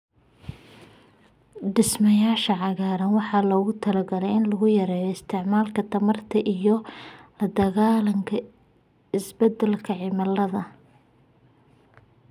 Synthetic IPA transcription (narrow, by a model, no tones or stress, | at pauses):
ɖɪsmɐjaːʃɐʕɑɣaːɾɐnwɑħɑlɔːɣʊt̪ʰɐlɐɡɐlɛjɪnlɐɣʊjɐɾɛːjɐɪst̪ʰɪʕmaːlkʰɐt̪ʰɐmɐrt̪ʰɐʔijɞ | d̪ɐɣaːlɐŋkʰɐ | ɪsbɐd̪ɛlkʰɐʕɪmɐlːɐðɐ